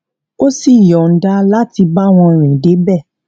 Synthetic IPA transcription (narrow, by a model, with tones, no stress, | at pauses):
o˦si˦˨jɔ˨n̩˦da˦la˦ti˧ba˦w̃ɔ̃˧ɾ̃ĩ˨de˨˦bɛ˦˨